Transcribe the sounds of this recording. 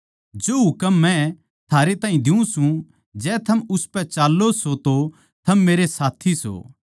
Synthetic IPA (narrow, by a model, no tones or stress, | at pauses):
d͡ʒoːɦʊkəmːɛ̃ | t̪ʰaːɾet̪aːɦĩd̪ɪũsũ | d͡ʒɛːt̪ʰɐmʊspɛt͡ʃaːlːosot̪o | t̪ʰɐmːeːɾesaːt̪ʰiso̰